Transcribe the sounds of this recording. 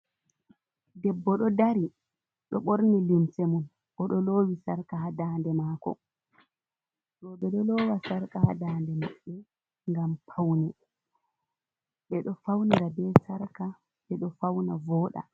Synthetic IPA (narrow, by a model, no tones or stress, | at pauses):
dɛbːɔɗɔdaɾi | ɗɔɓoɾnilimsemun | ʔɔɗɔloːwisaɾkahadaːndɛmaːkɔ̰ | ɾɔbɛɗɔlɔwasaɾkaha̰daːndɛmaɓːɛ | ŋɡampʰawnɛ | ɓɛɗɔfawniɾabɛsaɾka | ɓɛɗɔfawnavɔːɗa̰